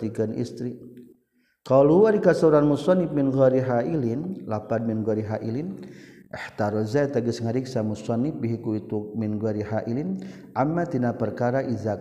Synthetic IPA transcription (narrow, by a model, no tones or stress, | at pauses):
iɡanʔḭst̪ɾi | qaluwaɾikasauɾanmusɑnɪfmɪnɣaɾiɦaʔilɪnlapanmɪnɡaɾiɦaʔilɪn | ʔəħt̪aɾɔzaɛt̪aɡəsŋaɾiksamusɑnɪfbiɦikuit̪umɪnɣaɾiħaʔilɪn | ʔamːat̪inapərkaɾaʔizak